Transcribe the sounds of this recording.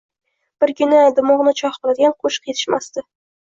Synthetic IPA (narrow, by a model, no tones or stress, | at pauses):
b̥ɪɾkʲʰʊnɪd̪ʊmʊʁnɪt͡ʃʰɒχbɨlad̪ɪɡʲanqʰʊʃqjet̪ʰɪ̥ʃma̰st̪ɪ